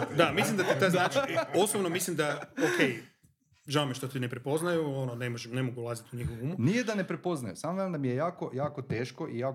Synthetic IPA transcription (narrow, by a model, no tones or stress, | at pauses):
d̪amislimd̪at̪it̪ajznaːt͡ʃio̞sobnomislimd̪aoke̞j | ʒaomeʃt̪ot̪inepɾepo̞znajuononemoʒemne̞moɡuulˠazit̪uɲixoʋuumunijed̪ane̞pɾepo̞znajusaːmoʋeɾmd̪amijejaːko̞jaːkot̪e̞ːʃko̞ʔijaː